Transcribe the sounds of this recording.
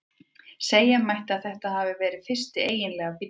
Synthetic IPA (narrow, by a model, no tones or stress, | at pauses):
seːjamajht̪ɪaðθɛht̪ahaːvɪvɛːɾɪðfɪr̥st̪ɪeːjɪnlɛːɣapi